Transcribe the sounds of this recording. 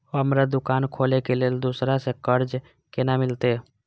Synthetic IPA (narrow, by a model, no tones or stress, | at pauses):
oɦəmɾad̪ʊkaːnkʰoːlekeleːld̪usɾasekəɾd͡ʒ | kenamɪlt̪e